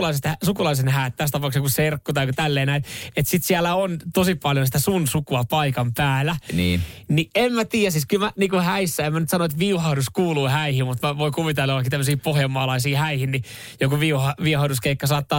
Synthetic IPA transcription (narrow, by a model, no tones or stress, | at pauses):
lɑliset̪hsukulɑlisenhæːt̪t̪æst̪ɑpɑˑuksjokuserkːut̪ɑikut̪ælːeːnæit̪et̪sit̪siælːæont̪osipɑljonsit̪æsunsukuɑpɑikɑmpæːlæniːniemmæt̪iːjæsiskylmæniːkuhæisːæemænyt̪sɑnoet̪ʋiuhɑuduskuːluːhæihimut̪mæʋoikuʋit̪elːolɑkːit̪æmːøsiːpohjɑmːɑːlɑisiːhæihinni | jokuʋiuhɑʋihɑuduskeikːɑsɑːt̪ːɑː